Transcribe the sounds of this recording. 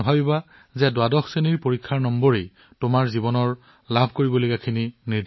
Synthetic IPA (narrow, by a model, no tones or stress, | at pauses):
bʱabiba | zɛdoadɔxseniɹpoɹikʰːaɹnɔmbɔɹej | tʊmaɹzibɔnɔɹ | labʱkoɹibɔlojkakʰininiɹd